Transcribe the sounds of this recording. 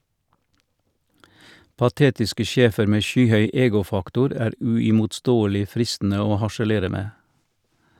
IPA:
pɑˈteːtɪskə ˈʃeːfəɾ ˈmeː ˈʃyːˌhœʏ ˈeːɡʊˌfɑktʊɾ ˈæːɾ ʉɪmʊtˈstoːəlɪ ˈfɾɪstn̩ə ˈoː hɑʃəˈleːɾə ˈmeː

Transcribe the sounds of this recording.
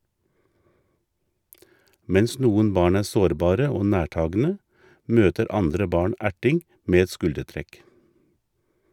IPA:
ˈmɛns ˈnuːən ˈbɑːɳ ˈæː ˈsoːɾˌbɑːɾə ˈoː ˈnæːˌʈɑːɡn̩ə ˈmøːtəɾ ˈɑndɾə ˈbɑːɳ ˈæʈɪŋ ˈmeː ˈɛt ˈskʉldəˌtɾɛk

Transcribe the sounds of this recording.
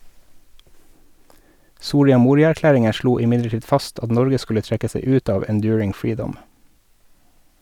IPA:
ˈsuːɾɪɑ ˈmuːɾɪɑæɾˌklæːɾɪŋə ˈʃluː ɪˈmɪdləˌʈiːd ˈfɑst ˈɑt ˈnɔɾɡə ˈskʉlə ˈtɾɛkə ˈseɪ ˈʉːt ˈɑːʋ ɛnˈdjʉːɹɪŋ ˈfɹiːdɔm

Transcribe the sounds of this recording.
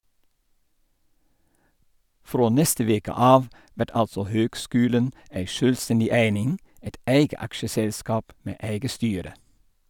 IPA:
ˈfɾoː ˈnɛstə ˈʋeːkə ˈɑːʋ ˈʋæʈ ˈɑlsɔ ˈhøːɡˌskʉːlən ˈæɪ ˈʃøːlˌstɛndɪ ˈæɪnɪŋ ˈæɪt ˈæɪɡə ˈɑkʃəˌsɛlskɑːp ˈmeː ˈæɪɡə ˈstyːɾə

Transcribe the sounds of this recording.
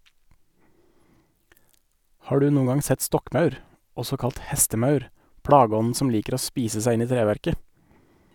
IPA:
ˈhɑː ˈɖʉː ˈnuːəŋ ˈɡɑŋ ˈsɛt ˈstɔkˌmɑʉɾ ˈɔsɔ ˈkɑlt ˈhɛstəˌmɑʉɾ ˈpɽɑːɡəˌɔnn̩ ˈsɔm ˈliːkəɾ ˈoː ˈspiːsə ˈsæɪ ˈɪn ˈiː ˈtɾeːʋæɾkə

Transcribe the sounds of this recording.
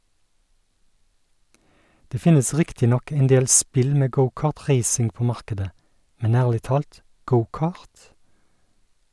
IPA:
ˈdeː ˈfɪnəs ˈʁɪktɪ ˈnɔk ɛnˈdeːl ˈspɪl ˈmeː ˈɡəʊˌkɑːʁˌtʁeɪsɪŋ ˈpoː ˈmɑʁkədə ˈmɛn ˈæːʁlɪ ˈtɑːlt ˈɡəʊˌkɑːʁt

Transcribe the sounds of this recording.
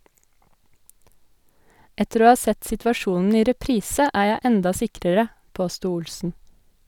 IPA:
ˈɛtəɾ ˈoː ˈhɑː ˈsɛt sɪtʋɑˈʃuːnn̩ ˈiː ɾɛˈpɾiːsə ˈæː ˈjæɪ ˈɛndɑ ˈsɪkɾəɾə ˈpoːstuː ˈʊlsn̩

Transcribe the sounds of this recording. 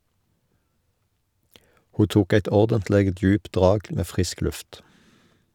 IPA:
ˈhuː ˈtuːk ˈæɪt ˈɔʁdəntˌleːɡ ˈdjʉːpt ˈdʁɑːɡ ˈmeː ˈfʁɪsk ˈlʉft

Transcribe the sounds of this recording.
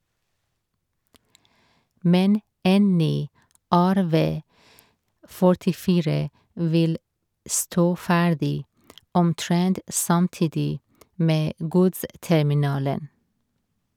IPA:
ˈmɛn ˈeːn ˈnyː ˈæɾˌʋeː fɔɹtɪˈfiːɹə ˈʋɪl ˈstoː ˈfæːɖɪ ɔmˈtɹɛnt sɑmˈtiːdɪ ˈmeː ˈɡʊdstɛmɪˌnɑːlən

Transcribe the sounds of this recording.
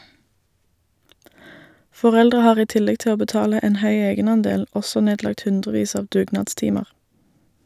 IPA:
fɔˈʁɛldʁə ˈhɑːʁ ˈiː ˈtɪlɛɡ ˈtɪ ˈoː bəˈtɑːlə ˈeːn ˈhœʏ ˈeːɡənɑnˌdeːl ˈɔsɔ ˈneːdlɑkt ˈhʉndʁəˌʋiːs ˈɑːʋ ˈdʉːɡnɑːdˌstɪməʁ

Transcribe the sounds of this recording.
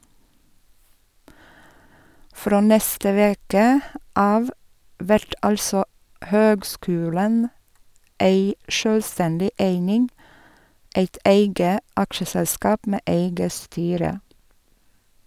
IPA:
ˈfɾoː ˈnɛstə ˈʋeːkə ˈɑːʋ ˈʋæɾt ˈɑlsɔ ˈhøːɡˌskʉːlən ˈeɪ ˈʃøːlˌstɛndɪ ˈæɪnɪŋ ˈeɪt ˈeɪɡə ˈɑkʃəsɛlˌskɑːp ˈmeː ˈæɪɡə ˈstyːɾə

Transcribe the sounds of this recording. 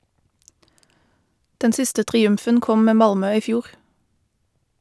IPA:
ˈdɛn ˈsɪstə tʁɪˈʉmfən ˈkɔm ˈmeː ˈmɑlmœ ˈiː ˈfjuːʁ

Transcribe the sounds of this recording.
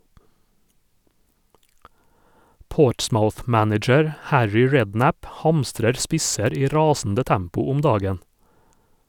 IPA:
ˈpoːʈsmaʊθˌmænɪd͡ʒəɾ ˈhæɹʏ ˈɹɛdˌnæp ˈhɑmstɾəɾ ˈspɪsəɾ ˈiː ˈɾɑːsn̩də ˈtæmpʊ ˈʊm ˈdɑːɡən

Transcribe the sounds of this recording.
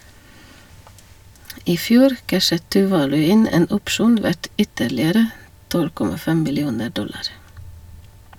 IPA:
ˈiː ˈfjuːɾ ˈkæʃət tʉːˈʋɑːlʉ ˈɪn ˈeːn ˈʊpʃuːn ˈʋæʈ ˈʏtəɾlɪəɾə ˈtɔl ˈkɔmɑ ˈfɛm mɪlɪˈuːnə ˈɖɔlɑɾ

